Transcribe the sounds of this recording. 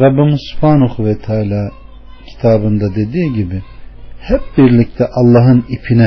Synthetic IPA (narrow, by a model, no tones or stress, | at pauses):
ɾɑbːimɯzsu̥pʰaːnuxuvɛt̪ʰaːlʲaː | cʰi̥t̪ʰaːbɯnd̪ad̪e̞d̪iːɟibihɛp̚biɾlʲic̚t̪ʰɛʔɑlˠːɑːɦɯnipʰinɛ